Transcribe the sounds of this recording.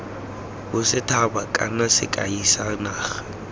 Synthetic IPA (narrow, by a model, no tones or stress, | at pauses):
bʊsɪtʰabakʼa̰nasɪ̰kʼa̰isanaːχḁ